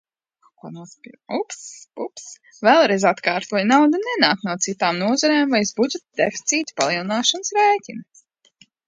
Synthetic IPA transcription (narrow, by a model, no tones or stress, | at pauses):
kuɔnuspiupsbups | vɛlˠɾɛjzat̪kaːɾt̪uɔjnawd̪anɛnaːknuɔt̪sit̪aːmnuɔzɔɾɛːmvajusbud͡ʒet̪d̪ɛfi̥t̪siːt̪ʲpa̰lˠiɛlˠnaːʃanəsɾɛːjcʲin